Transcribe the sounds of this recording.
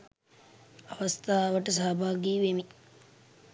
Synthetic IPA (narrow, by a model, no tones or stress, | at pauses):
aʋɐst̪ʰaːʋəʈəs̬aːbʱaːɡiːʋemi